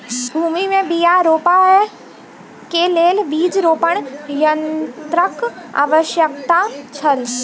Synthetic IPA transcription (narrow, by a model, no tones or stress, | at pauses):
bʱuːmimẽbijaɾoːpaɛ | keleːlʋiːd͡ʒɾoːpəɳ̃jənt̪ɾəka̰ːʋəʃjəkt̪at͡ʃʰəl